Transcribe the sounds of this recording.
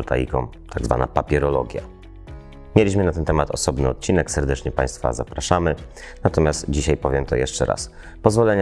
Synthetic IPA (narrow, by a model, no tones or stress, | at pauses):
lt̪a̰jḭkɔ̃m | t̪ʰaɡzva̰na̰papʲjɛɾɔlɔɡʲja̰ | mʲjelʲiɕ̬mɘnat̪ɛnt̪ɛmat̪ɔsɔbnɘɔt̪̚t͡ɕinɛksɛɾd̪ɛt͡ʂɲɛpaj̃st̪fa̰zapɾaʂamɘ | nat̪ɔmʲjast̪d͡ʑiɕajpɔvʲjɛmt̪ɔjɛʂt͡ʂɛɾa̰s | pɔzvɔlɛɲ